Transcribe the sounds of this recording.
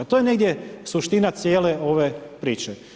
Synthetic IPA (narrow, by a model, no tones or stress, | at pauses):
t̪ojeneɡd̪je̞suʃt̪inat̪sjeːleo̞ʋepɾiːt͡ʃe